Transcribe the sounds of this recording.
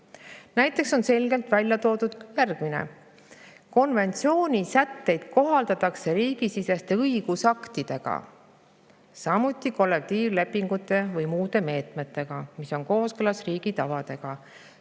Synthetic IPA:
næjt̪ːˑe̞kso̞nse̞lʲɡ̥e̞lt̪vælʲjɑt̪o̞ːd̪ud̪̥jærɡ̥minḛ | ko̞nve̞nt̪sio̞ːnʲisæt̪ːe̞jd̪̥ko̞ɦɑld̪̥ɑt̪ːˑɑkse̞ɾiːɡ̥isisest̪eɤiɡ̥usɑkt̪id̪̥e̞ɡ̥ɑ̰ | sɑmut̪ːˑiko̞lːekt̪iːvle̞pːˑiŋɡ̥ut̪ːˑe̞vɤjmuːd̪e̞me̞ːt̪me̞t̪ːˑe̞ɡ̥ɑmiso̞nko̞ːskɯlɑsriːɡ̥it̪ɑvɑd̪̥e̞ɡ̥ɑ

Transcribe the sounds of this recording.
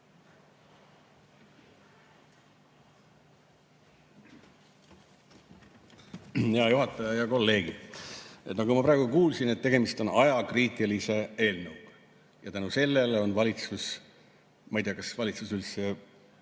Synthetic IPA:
heɑjuɦɑt̪ːˑɑjɑjɑko̞lːe̞ːɡi | enɑkumɑpɾɑeɡukuːlsinet̪ːe̞ɡ̥e̞mist̪o̞nɑjɑkriːt̪ʲːˑilise̞e̞ːlnəwɡ̥ | jɑt̪ænuse̞lːe̞leo̞nvɑlʲit̪sus | mɑjt̪eɑkɑsvɑlʲit̪susylse

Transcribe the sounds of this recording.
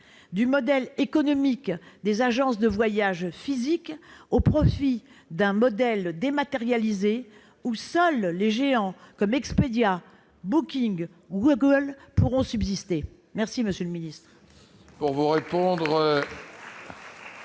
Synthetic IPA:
d̪ymɔd̪ɛlekɔnɔmikd̪ezaʒɑ̃sd̪əvwajaʒfizikopχɔfi | d̪ɛ̃mɔd̪ɛld̪emat̪eʁjalize | usœlːeʒeɑ̃kɔmɛksped̪ja | bukʲiŋɡ | ɡuɡəlpuʁɔ̃sybzist̪e | mɛʁsiməsjøləminist̪χ | puʁvuʁepɔ̃d̪ʁ

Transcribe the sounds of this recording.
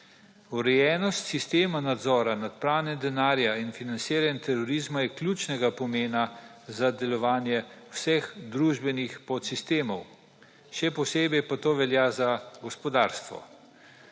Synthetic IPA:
uɾɛjɛːnɔst̪sist̪eːmanad̪zɔːɾanat̪pɾaːwnɛd̪ɛnaːɾjainfinansiːɾanʲt̪ʰɛɾɔɾiːzmajɛklʲjuːt͡ʃnɛɡapɔmeːnazad̪ɛlɔʋaːnjɛwsɛxd̪ɾuːʒbɛnixpɔt̪sist̪eːmɔw | ʃɛpɔseːbɛjpat̪oːʋɛljaːzaɡɔspɔd̪aːɾst̪ʋɔ̰

